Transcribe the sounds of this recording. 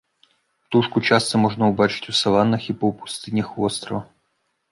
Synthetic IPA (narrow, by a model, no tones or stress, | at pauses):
t̪uʂkʊt͡ɕast̪əmoʐnəʊbat͡ɕɪ̥tʲʊsɐlˠanːəxipəpʊ̥st̪ɨnʲəxvost̪ɾəvə